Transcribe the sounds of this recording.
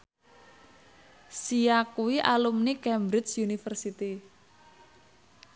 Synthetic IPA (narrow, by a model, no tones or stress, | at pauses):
sijakuwiʔalumnikɛmbɾɪt͡ʃjunifərsit̪i